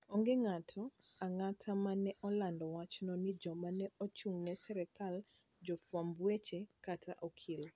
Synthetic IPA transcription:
oŋɡeŋatʰɔaŋatʰamanɛʔɔlandɔwat͡ʃnɔnid͡ʒɔmanɛʔɔt͡ʃuŋnɛsɛɾɛkal | d͡ʒɔfwambwet͡ʃekatʰaʔɔkʰil

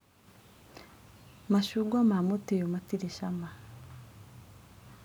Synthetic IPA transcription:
maʃuɡwamamotejomatiɾiʃama

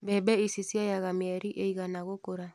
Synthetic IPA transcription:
bɛbɛisisiajaɣameɛɾiʔeiɣanaɣokoɾa

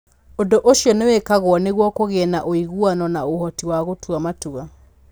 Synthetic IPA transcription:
ondoʔoʃjɔnewɛkaɣwɔneɣwɔkoɣɛnaʔoiɣuanɔnaohɔtiwaɣotuamatua

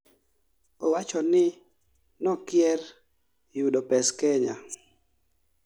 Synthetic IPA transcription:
owat͡ʃɔnɪ | nɔkjɛr | juɗopɛskɛɲa̰

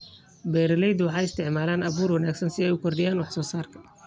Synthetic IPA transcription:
bɛːɾɐlɛjd̪wɑħɑːjɪst̪ʰɪʕmaːlaːnʔɐβuːrwɐnaːɡsɐnsɪɛjʊkʰɔrd̪ɪjaːnwɑħsɔːsaːrkʰɐ̥

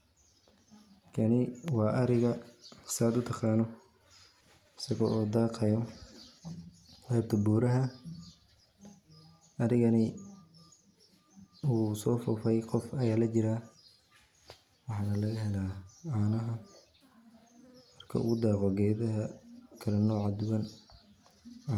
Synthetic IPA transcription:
kʰɐnɪwɑːʔɐɾɪɣɐsɐd̪ʊt̪ʰɑqɑːnɔ | ɪsɐɣɔːʔoːd̪ɑːqɐjɔ | qɛːb̚t̪ʰɐbuːɾɐɦɐ | ʔɐɾɪɣɐnɪ | usɔːfʊfɛjqɔfɐjaːlɐt͡ʃɪɾaː | wɑħɑːnɐlɐɣɐɦɛlaːaːnɐɦɐ | mɐrkʰɐ̰ʊ̰ɣʊd̪aːqɔɡɛːðɐɦɐkʰɐlɛnɔːʕɑd̪ʊɣɐn

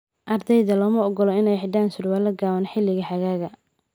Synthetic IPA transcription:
ʔɐrd̪ɛjðɐlɔːmɐɔɡɔlɔɪnɛjħɪɖaːnsʊrwaːlɐɡaːwɐnħɪlːɪɣɐħɐɣaːɣɐ

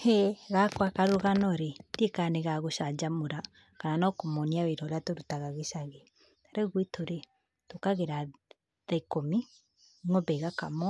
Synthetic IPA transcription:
hɛɣakwakaɾoɣanɔɾetekaneɣaɣoʃad͡ʒamoɾa | kananɔkomɔniaweɾɔɾeatoɾutaɣaɣesaɣe | aɾeɣwitoɾe | tokaɣeɾa | ðaikomi | ŋɔbɛɣakamɔ

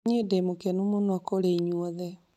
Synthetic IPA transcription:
ɲedemokɛnumonɔkoɾeiɲwɔðɛ

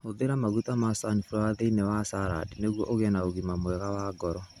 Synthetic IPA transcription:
oðeɾamaɣutamasanifuɾwaðeinɛwasaɾa̰dineɣwɔʔoɣɛnaoɣimamwɛɣawaːɡɔɾɔ

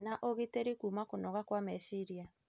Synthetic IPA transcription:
naʔoɣiteɾikuːmakonɔɣakwamɛsiɾia

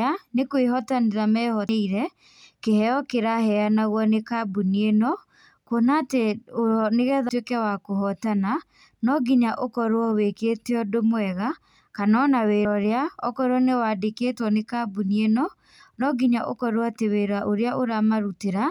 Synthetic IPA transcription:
anekweɦɔtaneðamɛːhɔiɾɛ | kehɛɔkeɾahɛanaɣwɔnekabunienɔ | konateoneɣɛðtwekɛwakoɦɔtana | nɔɡiɲaʔokɔɾwɔwekeːteɔdomwɛɣa | kanɔnaweɾɔɾeaɔkɔɾwɔnewadeketwɔnekabunienɔ | nɔɡiɲaʔo̰kɔɾwɔateweɾaʔoɾeaʔoɾamaɾuteɾa

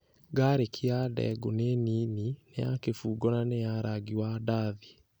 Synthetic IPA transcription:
ɡaɾekʰiadɛ̰ɡoneniːninejakefuːɡɔnanejaɾaɡiwadaði̥

